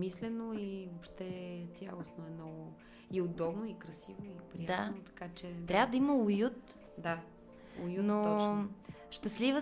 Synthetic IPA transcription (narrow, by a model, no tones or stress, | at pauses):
mislɛnoivopʃt̪ɛt̪sʲjalˠosnoɛmnɔɡʊ | iod̪ɔbnoikɾɐsivoipɾijd̪aot̪ɐ̥kat͡ʃɛt̪ɾʲavəd̪ɐiməʊjut̪ | d̪a | ʊjunoɔ | ʃt̪əslivə